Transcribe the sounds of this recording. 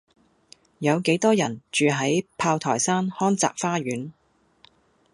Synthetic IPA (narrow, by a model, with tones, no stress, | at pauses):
jɐ˨˧wke˨˥jt̪ɔː˥jɐ̰˨˩nt͡ʃyː˨˧ɦɐ˨˥jpʰaː˧wt̪ʰɔ̰ː˨˩jsaː˥nhɔː˥nt͡sa̰ː˨k̚faː˥ɥyː˨˥n